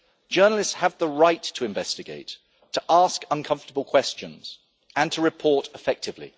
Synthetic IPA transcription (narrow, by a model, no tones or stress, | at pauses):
d̥ʒ̥ɜːnəl̩ɪstshəvðəɹaɪtʰəɪ̃ɱvɛstɪɡeɪtʰ | əʔɑˑskʌ̃nkʰʌ̃ɱftəbəlˠkʰw̥ɛst͡ʃə̃nz̥ | ə̃ntʰəɹɪpʰɔˑtɪfɛk̚tʰɪvlḭ